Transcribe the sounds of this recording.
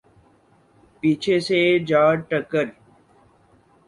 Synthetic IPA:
piːt͡ʃʰesed͡ʒaːʈəkəɾ

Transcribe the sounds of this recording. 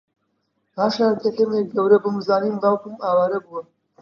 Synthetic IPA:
haːʃaːɾkɐkɐmek̚ɡɐwɾɐbɨmɨzaːniːmɡaːwkumaːwaːɾɐbuwɐ

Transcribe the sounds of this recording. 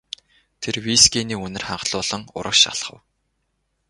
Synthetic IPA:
t̪ʰerwiskʲeːniːɵnɘ̆rχaɴɢɮʊːɮə̆ŋʊ̰ɾʔə̆kʃa̰ɮχə̆w

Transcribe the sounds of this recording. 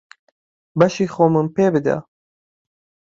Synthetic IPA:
bɐʃiːxoːmɨmpeːbɨd̪a̰

